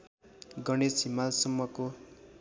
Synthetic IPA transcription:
ɡʌɽ̃esimalsʌmːʌko

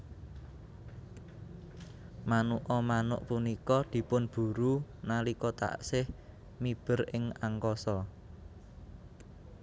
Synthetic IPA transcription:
manuʔɔmanʊʔpunikɔd̪̥i̤pʊnb̥ṳɾunalikɔt̪a̰sɪh | mib̥ə̤rɪŋaŋkɔsɔ

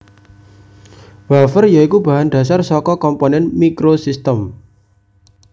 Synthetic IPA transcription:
wafərjaikubä̤ɦanɖ̥̪ä̤sarsɔkɔkɔmponɛnmikɾosist̪əm

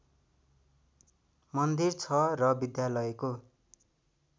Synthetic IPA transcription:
mʌnd̪irt͡sʰʌrʌbid̪jalʌeko

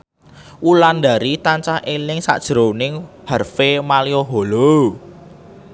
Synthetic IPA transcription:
ʔuland̪a̤ɾit̪aɲt͡ʃahʔelɪŋsa̰ʔd̥ʒ̥ɾonɪŋhərfemalioɦolo

